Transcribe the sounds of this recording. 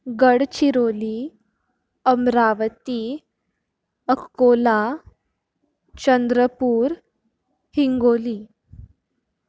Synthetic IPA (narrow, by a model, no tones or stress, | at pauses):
ɡəɽt͡ɕiɾoli | əmɾaʋət̪i | əkːola | t͡ɕənd̪ɾəpuːɾ | hiŋɡoliː